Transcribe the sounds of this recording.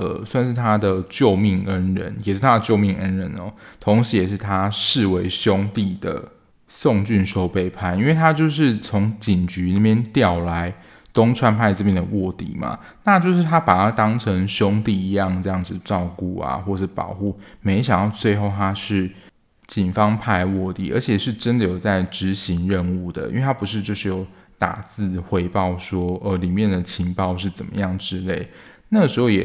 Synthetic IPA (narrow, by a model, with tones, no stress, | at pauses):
ə˨˩swa˥˧nʂ̬ɻ̩˥˩t̪ʰa˥d̪ə˨t͡ɕjo˥˧ʊmi˥˩ŋə˦˥nɻə̰˧˦njɛ˨˩ʂɻ̩˥˩t̪ʰa˦˥d̪ə˨˧t͡ɕjo˥˧ʊmi˥˩ŋʔə˦nɻə˧˦nɔ̰˨ | t̪ʰo˧˦ŋi˧jɛ˨˩ʂɻ̩˥˩t̪ʰa˦ʂɻ̩˥˨we˧˥ɪɕjʊ˦˥ŋt̪i˥˩d̪ə̰˩ | so˥˨˧ŋt͡ɕy˥˩nʂo˥ʊpe˥˩ɪpʰa˥˩ɪi˥nwe˥˩ɪt̪ʰa˦t͡ɕjo˥˧ʊʂ̬ɻ̩˥˩t͡sʰo˧˥ŋt͡ɕi˨˩nt͡ɕy˧˥ni˨˩mjɛ˥˧nt̪jɑ˥˨˩ʊla˨˦ɪ | t̪ʊ˥ŋʈ͡ʂʰwa˥npʰa˥˧ɪʈ͡ʂɤ˥˧˩mjɛ˥˩nd̪ə˩wɔ˥˩t̪ḭ˨˩ma̰˩ | na˥˧t͡ɕjo˥˧ʊʂɻ̩˥˩t̪ʰa˥pa˨˩t̪ʰa˦˥t̪ɑ˥ŋʈ͡ʂʰə˧˥ŋɕjʊ˦˥ŋt̪i˥˩i˧˥jɑ˥˧ŋʈ͡ʂɤ˥˧jɑ˥˩ŋd͡zɨ˨˩ʈ͡ʂɑ˥˧ʊku˥˩a̰˨˩xwɔ˥˩ʂɻ̩˥˩pɑ̰˨˩ʊxu˥˩me˧˥ɪɕjɑ˨˩ŋjɑ˥˧ʊt͡swe˥˧ɪxo˥˩ʊt̪ʰa˥ʂɻ̩˥˩ | t͡ɕi˨˩nfɑ˦ŋpʰa˥˧ɪwɔ˥˧t̪ḭ˥˩ə̰˞˧˥t͡ɕʰjɛ˨˩ʂɻ̩˥˩ʈ͡ʂə˦˥nd̪ə˨jo˨˩ʊt͡sa˥˩ɪʈ͡ʂɻ̩˧˥ɕi˧˦ŋɻə˥˧nu˥˩d̪ə̰˩ḭ˥we˥˩t̪ʰa˥pu˧˥ʂɻ̩˥˧t͡ɕjo˥˧ʊʂɻ̩˥˩jo˨˩ʊ | t̪a̰˨˩t͡sɹ̩˥˩xwe˧˥ɪpɑ˥˩ʊʂwɔ˥ə˧˩li˨˩mjɛ˥˩nd̪ə˩t͡ɕʰi˧˥ŋpɑ˥˧ʊʂ̬ɻ̩˥˩t͡sə˨˩nmə̰˦jɑ˥˩ŋʈ͡ʂɻ̩˥le˥˩ɪ | na˥˩ɡə˩ʂɻ̩˧˥xo˥˩ʊjɛ̰˨˩